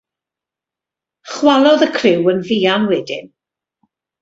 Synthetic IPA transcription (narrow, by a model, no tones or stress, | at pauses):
χwalˠɔðəkʰrɪwənviːanwɛdɪ̰n